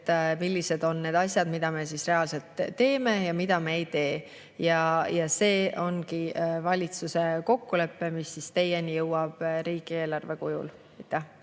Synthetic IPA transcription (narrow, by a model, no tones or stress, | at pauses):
t̪ːmilʲːise̞d̪o̞nːe̞ːd̪̥ɑsʲjɑd̪mid̪̥ɑme̞sisre̞ɑlse̞lt̪ːe̞ːme̞jɑmid̪̥ɑmeejt̪e̞ː | jɑjɑse̞ːo̞nkivɑlʲit̪suse̞ko̞kːule̞pːe̞misːist̪e̞jenijɤwɑb̥ɾiːɡ̥ie̞ːlɑrve̞kujṵl | ɑjt̪ːˑe